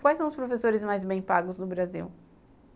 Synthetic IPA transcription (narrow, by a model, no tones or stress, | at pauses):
kwajsɐ̃w̃ʊspɾofesoɾɪzmajzbẽj̃paɡʊznʊbɾazḭw